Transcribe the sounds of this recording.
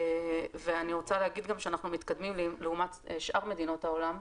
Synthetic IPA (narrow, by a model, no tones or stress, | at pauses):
veaniʁo̞t͡saleɦaɡid̪ɡamʃeanaχnumit̪kad̪mimlileumat̪ʃʔaʁme̞d̪ino̞tao̞lam